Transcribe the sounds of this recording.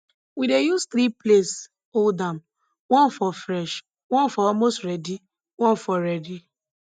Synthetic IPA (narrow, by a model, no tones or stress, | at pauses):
widejust̪ɾiples | oldam | wɔ̃nfɔfɾɛʃ | wɔ̃nfɔɔlmostɾɛdi | wɔ̃nfɔɾɛdi